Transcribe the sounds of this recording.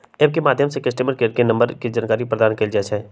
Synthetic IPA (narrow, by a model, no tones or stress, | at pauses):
eb̚kemaːd̪ʱjəmsekɐsʈeməɾkeːʈ̚kenɐ̃mbəɾked͡ʒankaːɾipɾəd̪aːnkeld͡ʒat͡ʃɛe